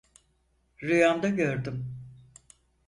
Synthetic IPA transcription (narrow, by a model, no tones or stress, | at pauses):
ɾɯjamd̪aɟøɾd̪ym